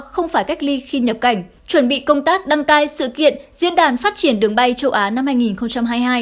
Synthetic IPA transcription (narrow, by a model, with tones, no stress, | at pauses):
xə˧wŋ͡mfaː˧˩jka˦˥k̚li˧xi˧ɲə˨˩p̚ka˧˩jŋ̟ | t͡ɕwə˧˩nɓḭ˧˨kə˧wŋ͡mt̪aː˦˥k̚ɗa˧ŋt̪aː˧jsɨ̰˧˨kḭ˧˨ənzḭ˧˥ənɗaː˨˩nfaː˦˥t̚t͡ɕi˧˩ənɗɨ˨˩əŋɓa˧jt͡ɕə˧wʔaː˨˦na˧mhaː˧jŋi˨˩nxə˧wŋ͡mt͡ɕa˧mɦaː˧jɦaː˧j